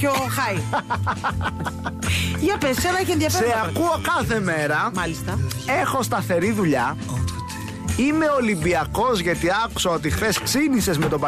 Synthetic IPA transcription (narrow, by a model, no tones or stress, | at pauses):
çoxɐi | jɐpessenɐiçenðjɐfseseɐkuokɐθe̞me̞ɾɐmɐlist̪ɐe̞xo̞st̪ɐθe̞ɾiðuʎɐ | ime̞o̞limbiɐko̞zʝɐt̪iɐkusoot̪ixθesksinise̞zme̞t̪o̞pɐ